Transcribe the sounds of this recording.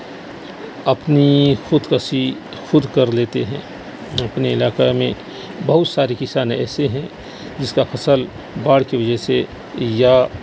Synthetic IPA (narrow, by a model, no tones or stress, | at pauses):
ɐpnixʊd̪kasi | xʊd̪kɐɾleːt̪eɦɛ̰̃ː | ɐpniɪlaːkamẽ | bɐɦʊt̪saːɾikɪsaːnɛ̰ːseɦɛ̃ | d͡ʒɪskafʰɐsəl | baːɽkiʋɐd͡ʒɛɦse | ja